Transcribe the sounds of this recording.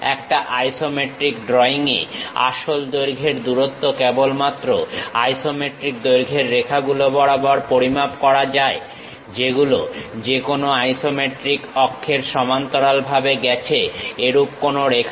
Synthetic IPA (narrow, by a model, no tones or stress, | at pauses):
ɛ̰kʈaʔajsomeʈɾikɖɾɔiŋḛa̰ʃold̪ojɾɡʱeɾd̪uɾot̪ːokɛbolmat̪ːɾoajsomeʈɾik̚d̪ojɾɡʱeɾːekʰaɡulobɔɽabɔaɾpoɾimabkɔɾad͡ʑae | d͡ʑeɡulod͡ʑekonoajsomeʈɾikɔkʰːeɾʃɔmant̪oɾalbʱabeɡɛt͡ɕʰeeɾupkonoɾekʰa